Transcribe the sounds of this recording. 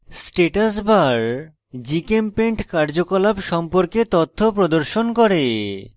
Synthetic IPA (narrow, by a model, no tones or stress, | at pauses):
sʈeʈasbaɾ | d͡ʑikempeɳʈkaɾd͡ʑokolabʃɔmpoɾket̪ot̪ʰːopɾod̪oɾʃonkɔɾe